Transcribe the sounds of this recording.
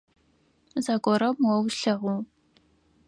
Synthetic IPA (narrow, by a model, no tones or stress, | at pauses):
zaɡʷɔɾɐmwɐwɬɐʁʷu